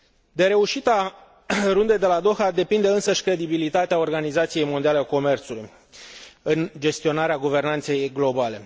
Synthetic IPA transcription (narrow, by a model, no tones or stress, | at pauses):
d̪e̞ɾe̞uʃit̪a | ɾund̪e̞jd̪e̞lad̪o̞xad̪e̞pind̪e̞ɨnsəʃʲkɾe̞d̪ibilit̪at̪eao̞rɡanizat̪sije̞jmo̞nd̪ialeako̞me̞rt̪suluj | ɨnd͡ʒe̞st̪io̞naɾeaɡuve̞rnant̪se̞jɡlo̞bale̞